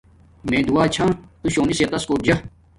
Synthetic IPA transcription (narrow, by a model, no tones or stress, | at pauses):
mẽːd̪uwaːt͡ɕʰãːt̪uɕoːniset̪ɐskoːʈ̚d͡ʑɐ